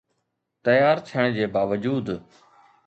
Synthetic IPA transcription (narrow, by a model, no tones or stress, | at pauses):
t̪ɐjaːɾt̪ʰiəɽ̃d͡ʑeːbaːʋəd͡ʑuːd̪